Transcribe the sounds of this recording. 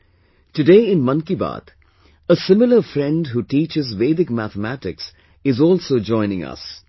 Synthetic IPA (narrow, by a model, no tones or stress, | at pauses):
ʈɨɖeːɪ̃nmʌ̃nkiba̰ːt̪ | əsɪmɪləfɾɛ̃nɖɦuːʈiːt͡ʃɪzʋeːd̪ɪkmæt̪əmæʈɪks | ɪzɔːlsoːd͡ʒɔ̃ɪ̃nɪ̃ŋʌ̰s